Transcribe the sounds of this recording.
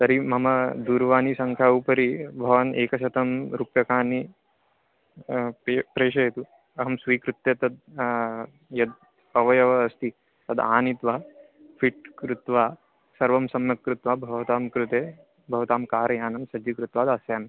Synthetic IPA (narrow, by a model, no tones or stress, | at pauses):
t̪ɐɾimɐmɐd̪uːɾʋaːnisɐŋkʰjaːupɐɾibʱɐʋɐneːkɐʃɐt̪ɐmɾupjɐkaːnːi | pːpɾeːʃɐjɐt̪u | ɐɦɐmsʋiːkɾut̪ːjet̪ɐd̪̚ | jɐd̪̚ | ɐʋɐjɐʋɐːst̪i | t̪ɐd̪aːnit̪ʋɐɦ | fʰiʈkɾut̪ʋaː | sɐɾʋɐmsɐmjɐkɾut̪ʋaːbʱɐʋɐt̪aːmkɾut̪eː | bʱɐʋɐt̪aːmkaːɾɐjaːnɐmsɐd͡ʒikɾut̪ʋaːd̪ɐsjaːn